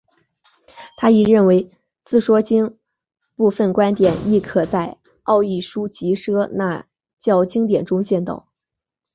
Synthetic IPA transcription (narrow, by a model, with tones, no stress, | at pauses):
t̪ʰa˥i˨˩ɻə˥˩nwe˧˥ɪ | t͡sɹ̩˥˩ʂwɔ˥t͡ɕi˥ŋ | pu˥˧fə˥˩nkwa˥nt̪jɛ˨˩˦ni˥˩kʰɤ˨˩t͡sa˥˧ɪ | ɑ˥˧ʊi˥˩ʂu˥t͡ɕi˧˥ʂɤ˥na̰˥˧ | t͡ɕjɑ˥˩ʊt͡ɕi˥ŋt̪jɛ˨˩nʈ͡ʂʊ˥ŋt͡ɕjɛ˥˧nt̪o̰˥˩ʊ